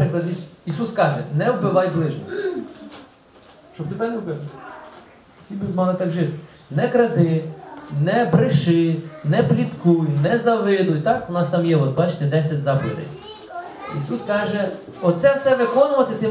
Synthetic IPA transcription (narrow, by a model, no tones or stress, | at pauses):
pɾɪklˠɐd̪iisuskɑʒɛnɛwbɪʋɑjblˠɪʒnɔ | ʃt͡ʃɔb̚t̪ɪpɛnʲwbɛn | sʲibʲmɑlˠɪt̪ɑkʒɪt̪ɪ̥ | nɛkɾɐd̪ɪnɛbɾɪʃɪnɛplʲit̪kujnɛzɐʋɪnʊjt̪ɑkʊnɑst̪ɑmjɛɔt̪bɑt͡ʃɪ̥t̪ɛd̪ɛsʲɐtʲzɑplʲɪd̪ɛ̰j | isuskɑʒɛ | ɔt̪sɛwsɛʋɪkɔnʊʋɐt̪ɪt̪ɪ